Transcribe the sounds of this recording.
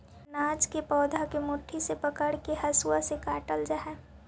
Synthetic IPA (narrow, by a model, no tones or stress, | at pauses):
naːd͡ʒkepɔːd̪ʱakemʊʈʰːisepəkəɽkeɦəsuwasekaːʈəld͡ʒaːɦɛ